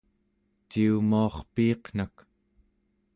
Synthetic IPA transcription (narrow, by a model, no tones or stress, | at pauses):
t͡ʃiumuɑχpiːqn̥ak